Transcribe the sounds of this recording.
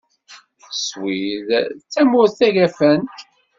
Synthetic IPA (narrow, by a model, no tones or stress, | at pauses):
swiðt͡sːæmʊɾθæʝæfən